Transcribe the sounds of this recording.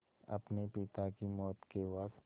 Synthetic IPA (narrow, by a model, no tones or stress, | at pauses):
ɐ̰pnepɪt̪akimɔːt̪kewak